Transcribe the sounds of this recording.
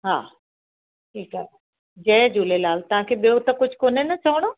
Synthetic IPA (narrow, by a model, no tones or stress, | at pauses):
ɦa̰ː | ʈʰiːkaɦe | d͡ʑɛ̃ːd͡ʑuːlelaːlt̪ɐʋ̤ãkʰeːɓijot̪ɐkʊd͡ʑʱkoːnenɐt͡ɕɐʋəɽ̃oː